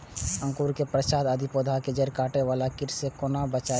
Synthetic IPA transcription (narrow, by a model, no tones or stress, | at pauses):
ə̃ŋkuːɾkepɾəʃaːd̪ad̪ʱipoːd̪ʱaked͡ʒəɾkaːʈeʋaːlakɪɾsekonabət͡ʃa